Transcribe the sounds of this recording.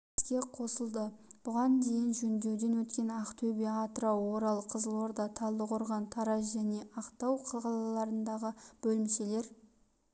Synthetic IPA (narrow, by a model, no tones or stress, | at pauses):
kʲe̞qʰo̞səlˠd̪əb̥ʊʁɑnd̪e̞jɪnʒɵnd̪e̞wd̪e̞nwɵt̪kʲe̞nɑqt̪ʰɵbeɑt̪əɾɑwo̞ɾɑlˠqʰəzəlˠoɾd̪ɑt̪ʰɑlˠːəqʰoɾʁɑnt̪ʰɑɾɑsʒæne̞ɑqt̪ɑwqʰɑʁɑlˠɑlˠɑɾənd̪ɑʁəb̥ɵlɪmʃe̞le̞ɾ